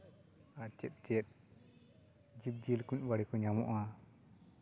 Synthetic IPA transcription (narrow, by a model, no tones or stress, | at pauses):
at͡ʃɛt̪̚ˀt͡ʃɛt̪̚ | d͡ʒib̚d͡ʒilkuɲbaɽikɔɲamɔ̰ʔa